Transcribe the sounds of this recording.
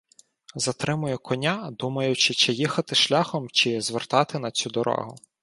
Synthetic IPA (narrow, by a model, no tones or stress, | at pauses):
zɐt̪ɾɪmʊjʊkʰɔnʲad̪umɐjʊt͡ʃɪt͡ʃɪjixɐt̪ɪʃlʲaxɔmt͡ʃɪzʋert̪ɑt̪ɪnɐt͡sʲud̪ɔɾɔ̰ɦʊ